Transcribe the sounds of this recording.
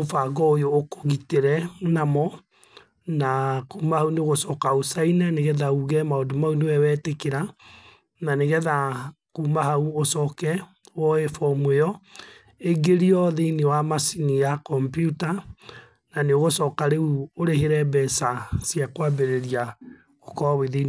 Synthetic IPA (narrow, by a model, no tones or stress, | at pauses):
ofaɡɔojoːko̥ɣiteɾɛnamɔ | nakuːmahauneɣosɔkaosainɛneɣɛðauɣɛmaodomaunewɛwɛtekeɾa | naneɣɛða | kumaɦauosɔːkɛ | wɔefɔmwejɔ | eɡeɾiɔðeinewamasinijakɔmpjuta | naneoɣosɔːkaɾeuoɾeɦeɾɛbɛsasjakwabeɾeɾia | okɔβeðen